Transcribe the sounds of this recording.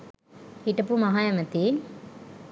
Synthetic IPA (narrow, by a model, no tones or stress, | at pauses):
iʈːɐpːumɐɦaːjɐmɐt̪ːi